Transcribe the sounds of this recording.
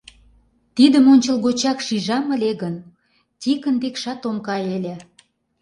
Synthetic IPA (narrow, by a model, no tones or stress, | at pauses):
t̪id̪əmonʲt͡ɕə̆lɣot͡ɕɑkʃiʒɑmə̆lʲeɣən | t̪ʲikənb̪ekʃɑt̪omkɑelʲĕ